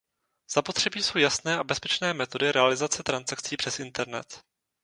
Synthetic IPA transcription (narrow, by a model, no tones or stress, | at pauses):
z̥apo̞t̪r̝̥ɛbiːso̞wjasnɛːʔabɛspɛt͡ʃnɛːmɛt̪o̞dɪɾɛalɪzat͡sɛt̪ɾansak̚t͡siːpr̝̥ɛsɪnt̪ɛɾnɛ̰t̪